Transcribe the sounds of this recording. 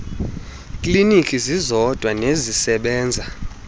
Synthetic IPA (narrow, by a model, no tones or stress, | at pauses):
kʼlinikʼizizɔd̥ʱwanezisɛɓɛːnd͡zʱa